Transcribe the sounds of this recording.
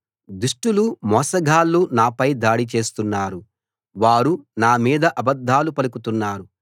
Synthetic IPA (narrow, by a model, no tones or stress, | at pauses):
d̪uʂʈulumɔːsɐɡʱaːlːunaːpɐjd̪aːɽit͡ʃe̞ːst̪unːaːɾu | ʋaːɾunaːmiːd̪ɐʔɐbɐd̪ʱːaːlupɐlukut̪̬unːaːɾu